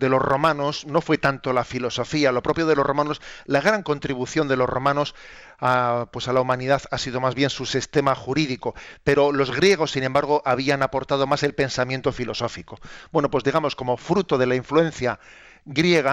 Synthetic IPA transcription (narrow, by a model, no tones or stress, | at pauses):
d̪e̞lo̞zromãno̞sno̞fwe̞t̪ant̪o̞lafilo̞so̞fialo̞pɾo̞pjo̞ðe̞lo̞zromãno̞slaɣ̞ɾaŋko̞nt̪ɾiβuθjo̞nd̪e̞lo̞zro̞mãno̞s | apwe̞salaumãniðaθasiðo̞mazβje̞nsusist̪e̞maxuɾiðiko̞pe̞ɾo̞lo̞zɣɾje̞ɣ̞o̞sːinẽmbaɾɣ̞o̞ʔaβ̞ianapo̞ɾt̪að̞o̞mase̞lpe̞nsamjẽnt̪o̞filo̞so̞fiko̞bwe̞no̞pwe̞zðiɣamo̞sko̞mo̞fɾut̪o̞ð̞e̞laiɱfluẽ̞nθja | ɣɾje̞ɣ̞a